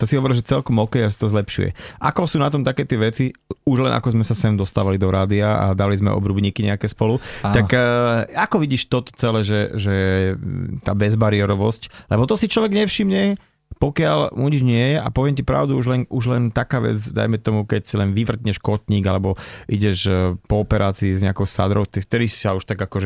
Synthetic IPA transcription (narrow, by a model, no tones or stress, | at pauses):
t̪ɔsiɦɔʋɔɾilʒɛt͡sɛlkɔmɔkɛjasat̪ɔzlɛpʃṵjɛ̰ʔa̰kɔsuːnat̪ɔmt̪akɛːt̪ɪɛʋɛt͡siuʒlɛnʔa̰kɔzmɛsasɛmd̪ɔst̪aːʋalid̪ɔɾaːd̪iaa̰d̪alizmɛ̰ɔ̰bɾubɲiːkiɲɛ̰akɛːspɔlut̪akakɔʋiɟiːʃt̪ɔt̪ɔ̥t͡sɛlɛːʒɛʒɛjɛt̪a̰ːbɛzbaɾiɛɾɔʋɔsclɛbɔt̪ɔsit͡ʃlɔʋɛɡɲɛfʃimɲɛ | pɔkɪalmuɲid͡ʒɲɪɛjɛʔa̰pɔʋɪɛmcipɾa̰ʊd̪uuʒlɛnʔuʒlɛnt̪akaːʋɛ̰d͡zd̪a̰jmɛt̪ɔmukɛcsilɛnʋiʋr̩t̪ɲɛʃkɔt̪ɲiːɡalɛbɔʔiɟɛʒpɔːpɛɾʔaːt͡siːzɲɛakɔʊsa̰d̪ɾɔʊt̪ɛkt̪ɛɾisi̥sauʃt̪aɡakɔʒɛ